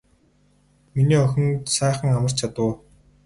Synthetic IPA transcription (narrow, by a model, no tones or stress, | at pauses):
miniːœxʲɪ̆nt̪sæːχə̆ŋamə̆r̥t͡ɕʰat̪ə̆ː